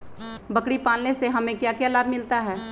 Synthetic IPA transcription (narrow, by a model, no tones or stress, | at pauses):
bɐkɽipaːlneseɦɐmẽkjaːkjaːlaːbmɪlt̪aɦɛː